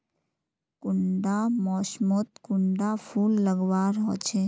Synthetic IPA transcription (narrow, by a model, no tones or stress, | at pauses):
kʊɳɖamɔːʃmot̪kʊɳɖapʰuːlːəɡʋaːɾɦɔ̰ːt͡ʃʰeː